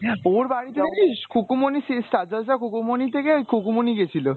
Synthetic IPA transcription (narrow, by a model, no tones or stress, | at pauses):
oɾbaɽit̪eekʰiʃkʰukumonisisʈad͡ʑasakʰukumonit̪ʰekekʰokumoniɡet͡ɕʰilo